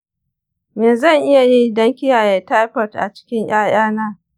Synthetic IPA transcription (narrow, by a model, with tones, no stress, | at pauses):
meː˨zɐ˦˨ŋʔɪ˦ja˨ji˦dɐ˦ŋkʲɪ˦jaː˨jeː˨ta˦jɸɔ˨tʔa̰˨t͡ʃɪ̥˦kʲɪ˦ɲj̰aː˦j̰aː˦naː˦